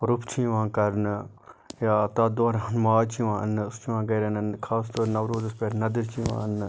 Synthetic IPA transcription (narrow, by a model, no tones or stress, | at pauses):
ɾʊpʰt͡ʃʰĩʋãːkɐɾnɨ | jaːt̪aːd̪oːɾaːnmaːt͡ʃʰiʋãːɐ̰nʊst͡ʃʰiʋãːɡɐjɾenənkʰaːst̪oːɾnɐʋɾoːzɐspeɾnɐd̪ɪɾt͡ʃʰiʋã̰ːən